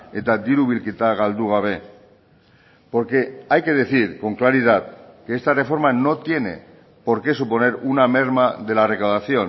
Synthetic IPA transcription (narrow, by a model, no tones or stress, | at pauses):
e̞t̪ad̪iɾuβilkit̪aɣald̪uɣ̞aβ̞e̞ | po̞ɾke̞ajke̞ð̞e̞θiɾko̞ŋklaɾiðat̪̚keest̪are̞fo̞ɾmano̞t̪je̞ne̞̰ | po̞ɾke̞supo̞ne̞ɾuname̞ɾmaðe̞lare̞kawðaθio̞n